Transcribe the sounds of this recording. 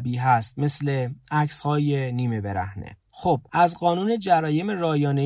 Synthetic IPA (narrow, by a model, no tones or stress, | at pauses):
biːɦæst̪̚me̞sleæcshɒːjeniːme̞be̞ɾæ̰hnḛ | xob̥ʔæzɢɒːnuːne̞d͡ʒæɾɒːje̞me̞ɾɒːjɒːne